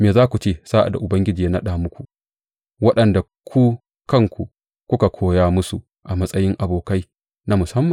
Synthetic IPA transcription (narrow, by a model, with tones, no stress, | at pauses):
meː˨zaː˦kʷu˨t͡ʃeː˦˨saː˦ʔa̰˨da̰˨ʔʊ˨bɐ˦ŋɡʲɪ˦d͡ʒiː˨˦na˦ɗaː˨mʊ˦kʷu˨ | wɐ˦ɗɐ˨nda˨ | kʰʷu˦ | kɐ˦˨ŋkʷu˨ | kʷʊ˦ka˨kʷʰoː˦jaː˦mʊ˦su˨ | ʔa˨mɐ˦sʼɐ˦jɪ˦ŋʔa˨boː˨ka˦j | na˦mʊ˨sɐ˦mːɐ˨